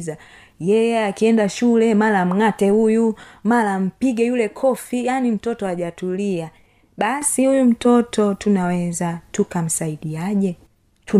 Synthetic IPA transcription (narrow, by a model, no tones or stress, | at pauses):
za | jɛjɛakiɛndaʃulɛmalam̩ŋatɛhujumalam̩piɡɛjulɛkʰɔfijanim̩tɔtɔaʄatulia | ɓasihujum̩tɔtʰɔtunawɛzatukam̩saiɗiaʄɛ | tu